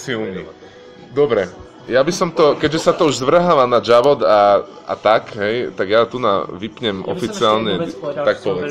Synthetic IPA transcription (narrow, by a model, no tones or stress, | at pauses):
silɲi | d̪ɔbɾɛ | jabisɔmt̪ɔkɛɟʒɛsat̪ɔuʒzʋr̩ɦaʋanad͡ʒaʋɔd̪a | a̰t̪akɦɛjt̪aɡjat̪una̰ʋipɲɛmʔɔ̰fit͡siaːlɲɛt̪ak̚pɔʋɛ